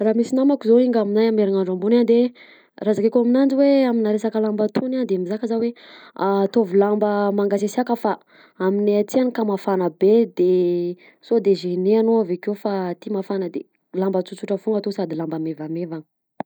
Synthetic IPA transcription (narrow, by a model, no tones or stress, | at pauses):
ramisinamakuzoiŋɡaminajameɾiŋaɳɖ͡ʐambunand̪e | razakekuaminand͡ziweaminaɾesakəlambat̪ʰunand̪emizakəzaweat̪ovilambəmaŋɡasesakəfa | amineat͡s̪ianikamafanəbed̪e | sod̪eʒeneanoavekewfat̪imafanəd̪e | lambət͡sut͡suʈ͡ʂəfuŋɡat̪osad̪ilambamevamevanə̥